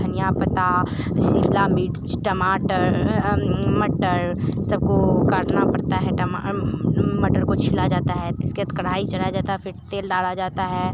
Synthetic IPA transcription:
ənɪjapət̪a | sɪblamiːʈt͡ʃʈəmaːʈəɾ | mɐʈəɾsəb̚kokaːɾnapɐɽt̪aɦɛʈəma | məʈəɾkot͡ʃʰɪlad͡ʒaːt̪aɦɛɪskeət̪̚kɐɽ̤aːit͡ʃɐɽ̤ad͡ʒaːt̪aɦɛfɪɾt̪eːlɖaːɽad͡ʒaːt̪aɦɛː

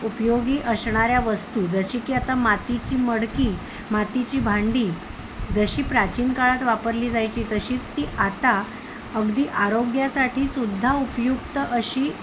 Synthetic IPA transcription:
upjoɡiːʔəsɳ̃aɾjaʋəst̪uːd͡zəɕiːkiːat̪amat̪it͡ɕiːməɽkiː | mat̪it͡ɕiːbʱaɳɖiː | d͡zəɕiːpɾat͡ɕiːnkaɭat̪ʋapəɾliːd͡zajt͡ɕiːt̪əɕiːt͡st̪iːʔat̪a | əɡd̪iːʔaɾoɡjasaʈʰiːsud̪ʱːaupjukt̪əʔəɕiː

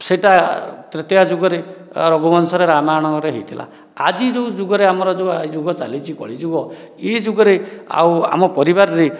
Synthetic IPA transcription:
seʈat̪ɾet̪iad͡ʒuɡɔɾe | ɾɔɡɔbɔnsɔɾeɾamaɽ̃ɔɡɔɾeɦḛjt̪ʰilʔa̰ | ad͡ʒid͡ʒeud͡ʒuɡɔɾeamɔɾɔd͡ʒod͡ʒuɡɔt͡ʃalit͡ʃʰikɔ̰ɽid͡ʒuɡɔ | ed͡ʒuɡɔɾea̰wa̰mɔpɔɾibaɾɔɾe

